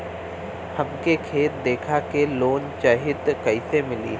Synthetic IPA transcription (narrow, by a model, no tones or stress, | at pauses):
hɐmkekʰeːt̪̚d̪eːkʰakeloːnt͡ʃaːɦɪd̪kɐisemɪliː